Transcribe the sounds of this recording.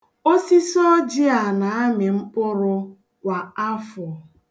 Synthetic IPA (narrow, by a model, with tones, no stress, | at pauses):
o˦si˦sɔ˦d͡ʒɪ˦a˨na˨a˦mɪ˨m̩˦k͡pʊ˦ɾʊ˦ | kʷa˨a˦fɔ˨